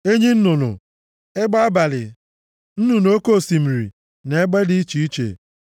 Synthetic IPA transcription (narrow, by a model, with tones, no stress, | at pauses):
e˦ɲi˦n̩˦nʊ˨nʊ̰˨ | e˦ɡ͡ba˦a˦ba˨lɪ˨ | n̩˦nu˨no˦ko˦˨si˨m̩˨ɾḭ˨ | ne˨˦ɡ͡be˦di˦i˦t͡ʃi˨˦i˦t͡ʃḛ˨